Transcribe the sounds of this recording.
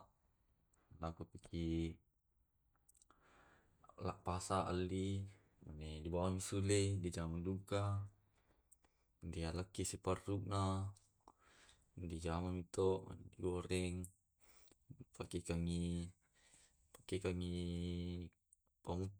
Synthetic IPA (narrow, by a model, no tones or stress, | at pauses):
lakupikʰi | la̰ʔpasaʔalːi | manedibawamisuledid͡ʒamanduka | ndialakːisiparːuʔ̚na | ndid͡ʒamanmit̪oʔma̰nediɡoɾɛŋ | pakekaŋi | pḁkekaŋi | pamu